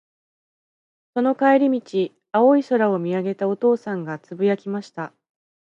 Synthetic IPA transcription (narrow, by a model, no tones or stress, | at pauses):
so̞no̞kaeɾʲimʲit͡ɕi | ao̞iso̞ɾao̞mʲiaɡe̞t̪ao̞t̪o̞ːsãŋɡat͡sɨbɯjakʲimaɕi̥t̪a